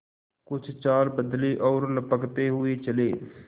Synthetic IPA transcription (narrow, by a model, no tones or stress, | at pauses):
kʊt͡ʃʰt͡ʃaːɾbəd̪liːʔɔːɾləpəkt̪eːɦʊeːt͡ʃəleː